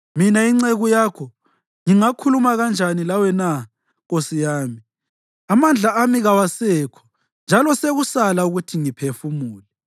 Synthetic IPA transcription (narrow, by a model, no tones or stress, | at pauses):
minaiŋ͡ǀɛɣujaːkʰɔ | ŋiŋakʰulumaɣand͡ʒʱanilawɛna | ɣosijaːmi | amand͡ɮʱaːmiɣawasɛːkʰɔ̥ | nd͡ʒʱalɔseɣusalauɣutʰiŋipʰefumuːlɛ